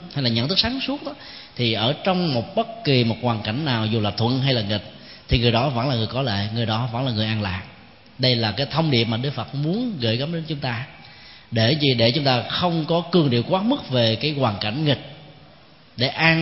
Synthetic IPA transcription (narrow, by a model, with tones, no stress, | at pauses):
ha˧jlaː˨˩ɲə̰˧˨nt̪ʰɨ˦˥saː˨˦ŋsu˦˥ət̚ɗɔ˨˦ | t̪ʰi˨˩ʔəː˧˩t͡ɕɔ˧wŋ͡mmo˨˩t̚ɓə˦˥t̚ki˨˩mo˨˩t̚kwaː˨˩nka˧˩jŋ̟naː˨˩wzu˨˩laː˨˩t̪ʰwə̰˧˨nɦa˧jlaː˨˩ŋi˨˩k̚ | t̪ʰi˨˩ŋɨ˨˩əjɗɔ˨˦və̰˧˥nlaː˨˩ŋɨ˨˩əjkɔ˨˦lḛ˧˨ŋɨ˨˩əjɗɔ˨˦və̰˧˥nlaː˨˩ŋɨ˨˩əjʔaː˧nla̰ː˨ʔ̚ | ɗə˧jlaː˨˩kaː˨˦jt̪ʰə˧wŋ͡mɗḭ˨˩əp̚maː˨˩ɗɨ˦˥k̚fə˨˩t̚mu˨˦ənɣə̰˧˩jɣa˨˦mɗe˨˦nt͡ɕʊ˨˦ŋ͡mt̪aː˧ | ɗe˧˩zi˨˩ɗe˧˩t͡ɕʊ˨˦ŋ͡mt̪aː˧xə˧wŋ͡mkɔ˨˦kɨ˨˩əŋɗḭ˧˨əwkwaː˨˦˥mɨ˦˥k̚ve˨˩kaː˨˦jkwaː˨˩nka˧˩jŋ̟ŋï˨˩k̟̚ | ɗe˧˩ʔaː˧